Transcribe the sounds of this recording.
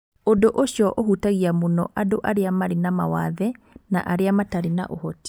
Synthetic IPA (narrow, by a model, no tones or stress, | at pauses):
ondoʔoɕjɔʔohutaɣiamonɔ̰ʔadoʔaɾeamaɾinamawaðɛ | na̰ʔaɾeamataɾina̰ʔohɔti̥